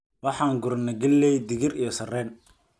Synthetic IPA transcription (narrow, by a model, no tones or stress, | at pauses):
wɑħɑːŋɡʊɾnɐɡɐlːɛjd̪ɪɣɪɾijɔsɐrɛːn